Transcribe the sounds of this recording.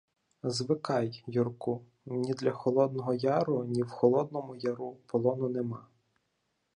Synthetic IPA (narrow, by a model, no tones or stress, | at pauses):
zʋɪkɑjjurku | nʲid̪lʲɐxɔlˠɔd̪nɔɦɔjɑɾʊnʲiwxɔlˠɔd̪̚nɔmʊjɐɾupɔlˠɔnʊnemɑ